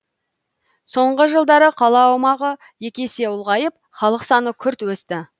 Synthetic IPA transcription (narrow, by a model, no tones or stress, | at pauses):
so̞ɴʁəʒəlˠd̪ɑɾəqʰɑlˠɑːwmɑʁə | je̞kʲe̞se̞ʊlˠʁɑjəp̚χɑlˠəqsɑnəkʲʰʏɾt̪wɵst̪ɪ